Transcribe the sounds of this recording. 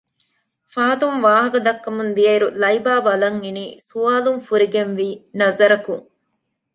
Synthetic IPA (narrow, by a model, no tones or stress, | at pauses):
faːt̪umʋaːɦɐkɐd̪ɐkːɐmund̪ijɐiɾulɐibaːbɐlɐŋiniːsuaːlumfuɾiɡenʋiːnɐzɐɾɐkuŋ